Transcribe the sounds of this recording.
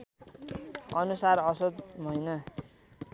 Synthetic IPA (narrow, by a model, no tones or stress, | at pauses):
ʌnusarʌsod͡zmʱʌjnʌ